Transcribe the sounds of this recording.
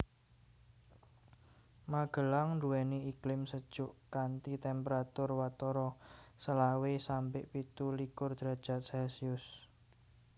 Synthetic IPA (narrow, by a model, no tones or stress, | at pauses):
maɡ̥ə̤laŋɳduwɛniiklɪmsəd̥ʒ̥ʊʔkant̪it̪ɛmpəɾat̪ʊrwat̪ɔɾɔsəlawesampɪʔpit̪ulikʊrd̪̥ɾa̤d̥ʒ̥a̤t̪̚sɛlsiʊs